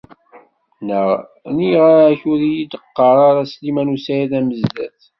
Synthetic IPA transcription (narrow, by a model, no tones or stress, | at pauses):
nəʁ | niʁaɾæçuðijid̪əqːɑɾˤaɾaslimænusæjæðæməzd̪æ̰θ